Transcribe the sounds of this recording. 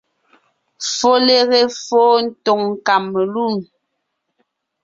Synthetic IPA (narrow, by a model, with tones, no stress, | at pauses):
fo˦le˦ɣe˦foː˦n̩˦tɔ˨ŋ̩ː˨ka˨m˨lu˦˨n